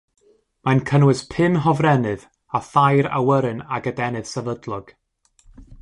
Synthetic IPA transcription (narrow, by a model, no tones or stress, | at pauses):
mankʰənwɨspʰɪnɦɔvrɛnɨð | aθajɾa̰wəɾɨnaɡədɛnɨð̥sɛvədlˠɔɡ̥